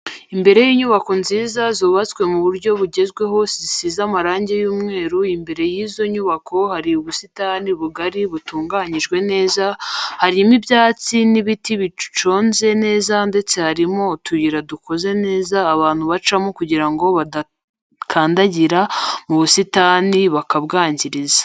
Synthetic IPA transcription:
imbe̞ɾe̞jiːɲuβako̞nziːzazoːβat͡skwe̞muβuɾɟo̞βuɟe̞zɡwe̞ɦo̞sisizamaɾaːɲɟe̞juːmŋe̞ːɾuimbe̞ɾe̞jizo̞ɲuβakʰo̞haɾiuβusitahniuβuɡaɾiβutuːŋɡaːɲiʒɡwe̞ne̞ːzahaɾimibjaːt͡siniβitiβit͡ʃo̞ːnze̞ne̞ːzande̞t͡se̞haɾimo̞tuβiɾaduko̞ze̞ne̞ːzaːβaːn̥huβat͡ʃamo̞kuɟiɾaŋɡo̞βada | kʰaːndaɟiɾamuβusitaːniβakabɡaːɲɟiɾizḁ

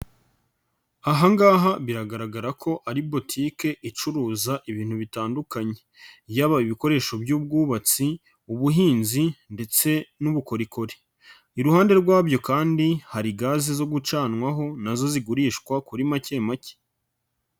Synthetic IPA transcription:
haɦaŋɡaːɦaβiɾaɡaɾaɡaɾakʰo̞ʔaɾibo̞tʰiːke̞ʔit͡ʃuɾuːzaʔiβiːn̥huβitaːndukaɲe̞ | jaːβaiβiko̞ɾe̞ːʃo̞bjuːb̚ɡuːβat͡si | uβuɦiːnzinde̞t͡se̞nuβuko̞ɾiko̞ɾi̥ | iɾuhaːnde̞ɾɡwaːbjo̞kaːndihaɾiɡaːzizo̞ɡut͡ʃaːnŋwaɦo̞nazo̞ziɡuɾiːʃkwakuɾimace̞ːmace̥

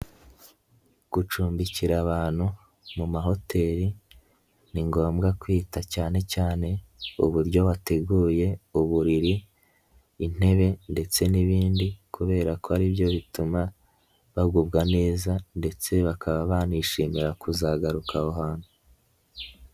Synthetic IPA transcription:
ɡ̥ut͡ʃuːmbiciɾaβaːn̥hu | mumaɦo̞te̞ːɾi | niŋɡo̞ːmɡakwiːtacaːne̞caːne̞ṵβuɾɟo̞βate̞ɡuːje̞uβuɾiɾiː | n̥e̞βe̞nde̞t͡se̞niβiːndikʰuβe̞ːɾako̞aɾibjo̞βituma | βaɡubɡane̞ːzande̞t͡se̞βakʰaβaβaːniʃiːmiɾakʰuzaɡaɾukaoɦaːn̥hu

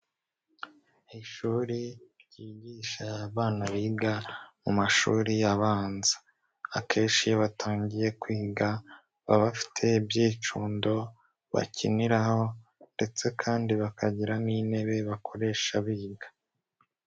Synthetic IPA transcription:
iʃuːɾiɾɟiːɟiːʃaβaːnaβiːɡamumaʃuːɾijaβaːnzḁː | kʰe̞ːnʃijoβatʰaːɲɟije̞kwiːɡa | βaβafi̥tʰe̞bjiːt͡ʃuːndo̞ | βa̰cʰiniɾaho̞nde̞t͡se̞kʰaːndiβakʰaɟiɾanine̞βe̞βakʰo̞ɾe̞ːʃaβiːɡḁ

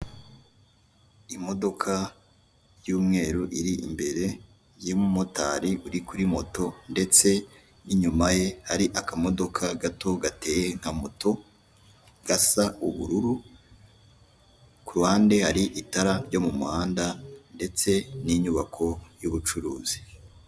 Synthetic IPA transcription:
imo̞do̞kʰa | juːmŋe̞ːɾuʔiɾiʔḭmbe̞ɾe̞ | jimumota̰ːɾiʔuɾikuɾimo̞to̞nde̞t͡se̞ | iɲumaje̞haɾiʔakamo̞do̞kʰaɡato̞ɡate̞ːjeŋ̥hamoto̞ | ɡ̥asauβuɾuɾu | kuɾuhaːnde̞haɾiʔitaɾaɟo̞mumuhaːndande̞t͡se̞niɲuβakʰo̞juβut͡ʃuɾuːz̥i̥

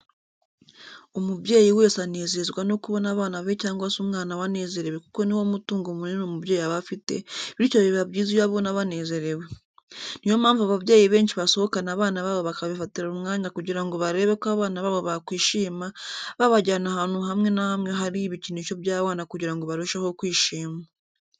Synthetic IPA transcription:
omubɟeːjiwe̞ːsane̞ːzezɡwano̞kuβo̞naβaːnaβecaːŋɡwasumŋaːnawane̞ːze̞ɾe̞we̞ku̥ko̞niwo̞mutuːŋɡomuninomubjeːjaβafite̞̰βiɾicoβiββabɟiːzijaβo̞naβane̞ːze̞ɾe̞we | nijo̞maːɱvuaβaβjeːjiβe̞ːɲʃiβaso̞ho̞kanaβaːnaβaβoβakaβifatiɾaumŋaːɲakuɟiɾaŋɡo̞βaɾe̞ːβekaβaːnaβaβoβakwiːʃiːmaβaβaɟanahanuɦamŋe̞nahamŋeɦaɾiβiciniʃo̞βjaːβaːnakuɟiɾaŋɡo̞βaɾoʃaho̞kwiːʃiːmaa

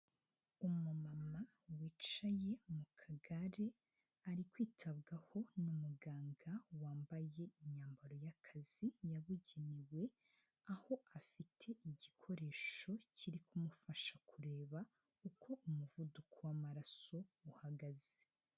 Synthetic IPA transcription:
umumama | wiːt͡ʃaje̞mukʰaɡaɾe̞ | aɾikwiːtʰaβɡaho̞numuɡaːŋɡawaːmbaje̞iɲaːmbaɾo̞jakʰaz̥ijaβuɟe̞newe̞ | aho̞ʔafitʰe̞ʔiɟikʰo̞ɾe̞ːʃo̞ciɾikʰumufaʃakʰuɾe̞ːβa | ukʰo̞ʔumuvudukʰowamaɾaso̞uhaɡaze

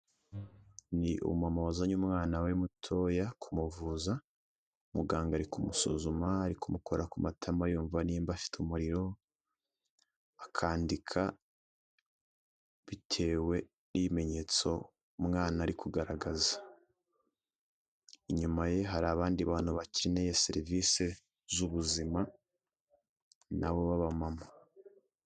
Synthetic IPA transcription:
niʔṵmamaβazaɲumŋaːnawemutʰo̞ːjakʰumuvuza | umuɡaːŋɡaɾikumuso̰zumaːɾikumukʰo̞ɾakumatʰamajuːɱvaniːmbafi̥tumuɾiɾo̞ | akʰaːndikʰa | βitʰe̞ːwe̞ | nʔiβime̞ɲe̞ːt͡so̞ | mŋaːnaːɾikuɡaɾaɡazḁ | iɲumaje̞ɦaɾaːβaːndiβaːn̥huβacienejeseɾiviːse̞ | zuβuzima | naβo̞βaβamama

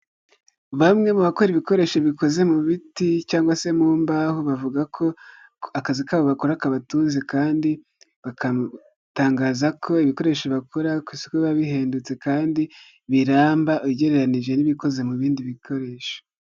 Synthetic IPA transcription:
βamŋe̞muβako̞ɾiβiko̞ɾe̞ːʃo̞βiko̞ze̞muβiticaːŋɡwase̞muːmbahoβavuɡakʰo̞ | akazikaβoβakoɾakaβatuːnzekaːndi | βaka | taːŋɡaːzakʰo̞iβiko̞ɾe̞ːʃoβakʰoɾakwiːsi̥keβaβiɦe̞ːndut͡se̞kaːndi | βiɾaːmbaʔuɟe̞ɾe̞ɾaniʒe̞niβiko̞ze̞muβiːndiβikʰo̞ɾe̞ːʃo̥

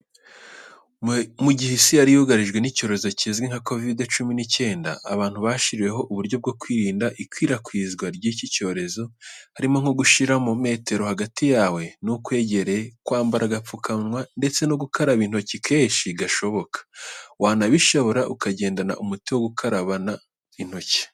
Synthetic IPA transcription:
muɟihisijaɾijuɡaɾiʒɡwe̞nico̞ːɾe̞zo̞cizɡweŋhako̞videt͡ʃuminice̞ːnda̰ːβaːn̥huβaʃiɾije̞ɦo̞ʔuβuɾɟo̞b̚ɡo̞kwiːɾiːndaʔikwiːɾakwiːzɡwaɾɟiːcico̞ːɾe̞zo̞haɾimo̞ŋ̥oɡuʃiɾamome̞ːte̞ɾo̞haɡatijaːwe̞nukwe̞ːɟe̞ɾe̞kwaːmbaɾaɡap͡fukanwande̞t͡se̞noɡukaɾaβin̥ho̞cikʰe̞ːʃiɡaʃo̞βo̞kʰḁwaːnaβiʃoβo̞ɾaʔukaɟe̞ːndana̰ʔumutiwo̞ɡukʰaɾaβana | in̥ho̞ci̥

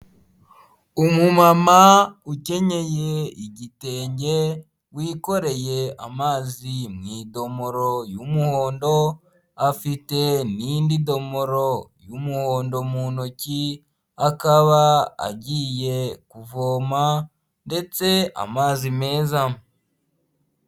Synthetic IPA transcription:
umumamauce̞ɲe̞je̞iɟite̞ːɲɟe̞ | wiːko̞ɾe̞je̞a̰maːzimŋiːdo̞mo̞ɾo̞jumuho̞ːndo̞ | afite̞nindido̞mo̞ɾojumuho̞ːndo̞munoci | akaβaa̰ɟiːje̞kuvo̞ːma | nde̞t͡se̞a̰maːzime̞ːza

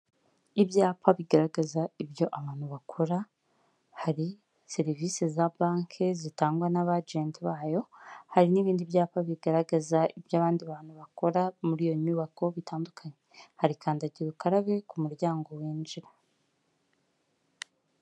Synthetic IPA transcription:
iβjaːpaβiɡaɾaɡazaibjo̞ʔaβaːn̥huβakʰo̞ɾa | haɾi | se̞ɾiviːsezabaːŋkʰezitaːŋɡwanaβad͡ʒeːntiβaːjo̞haɾiniβiːndiβjaːpaβiɡaɾaɡazaiβjaːβaːndiβaːn̥huβako̞ɾamuɾijo̞ɲuːβako̞βitʰaːndukʰaɲehaɾikʰaːndaɟiɾukaɾaβe̞kumuɾjaːŋɡo̞weːnd͡ʒiɾa

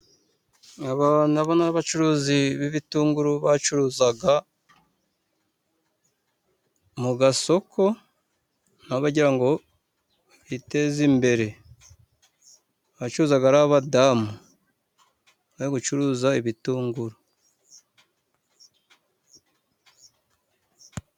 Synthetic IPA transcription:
aβanaβonaaβat͡ʃuɾuːziβiβituːŋɡuɾuβat͡ʃuɾuːzaɡa | muɡaso̞ko̞ | naβaɟiɾaŋɡo̞ | ite̞zimbe̞ɾe̞ | βat͡ʃuɾuːzaɡaɾaβadamu | aiɡut͡ʃuɾuːzaiβituːŋɡuɾu

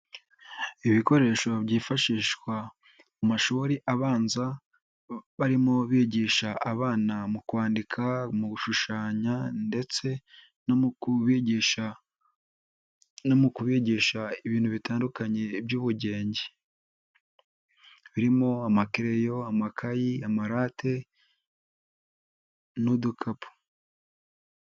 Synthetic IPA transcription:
iβiko̞ɾe̞ːʃo̞βɟiːfaʃiːʃkwa | mumaʃuːɾiʔaβaːnza | βaɾimo̞βiːɟiːʃaʔːβaːnamukwaːndikʰamuɡuʃuʃaːɲande̞t͡se̞ | i | nomukuβiɟiʃaiβiːnhuβitʰaːndukaɲe̞bjuːβuɟe̞ːɲɟe | βiɾimo̞amakiɾe̞jo̞amakʰajiamaɾaːtʰe̞ | nudukʰapu̥

